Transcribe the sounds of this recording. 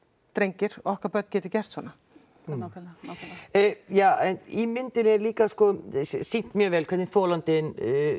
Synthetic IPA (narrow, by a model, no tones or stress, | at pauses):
t̪ɾejɲcɪɾ̥ɔɔhkaɾpœt̪n̥cɛːt̪ɪ̥cɛr̥t̪svɔːna | jaɛnimɪnt̪ɪnɛɾliːkaskɔsin̥t̪mjœːɣvɛːlkʰvɛɾt̪nɪnθoːlant̪ɪn